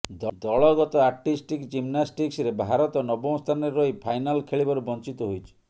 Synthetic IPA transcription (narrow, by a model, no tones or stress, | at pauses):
d̪ɔd̪ɔɭɔɡɔt̪ɔaɾʈisʈikd͡ʒimnasʈiksɾebʱaɾɔt̪ɔnɔbɔ̃w̃st̪ʰanɔɾeɾɔipʰajnalkʰeɭibɔɾubɔnt͡ʃit̪ɔɦojt͡ʃʰi̥